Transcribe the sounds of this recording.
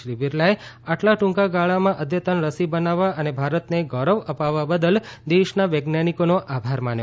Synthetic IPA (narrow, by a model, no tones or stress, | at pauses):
ɾibiɾlaeaʈlaʈʊ̃ŋkaɡaɭamãʔəd̪jət̪ənɾəsibənaʋaənebʱaɾət̪neɡɔɾəʋəpaʋːabəd̪əld̪eʃnaʋəɡnanikonoʔabʱaɾman